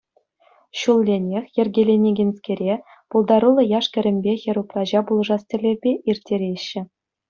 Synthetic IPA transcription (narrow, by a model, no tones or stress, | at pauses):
ɕulˠːʲenʲexʲjɘ̆rʲɡʲelʲenʲeɡʲenʲskʲeɾʲe | pulˠd̪ɑɾulˠɤ̆jɑʂkʲɘ̆ɾʲɘ̆mʲbʲexʲĕɾuprɑʑɑbulˠʐɑstʲɘ̆lʲerʲbʲeʔirʲtʲːeɾʲeɕːɘ̆